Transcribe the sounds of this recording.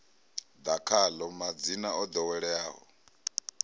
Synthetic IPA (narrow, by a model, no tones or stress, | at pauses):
d̪akʰalɔmad͡zinaɔd̪ɔwɛɺɛaːɦɔ̰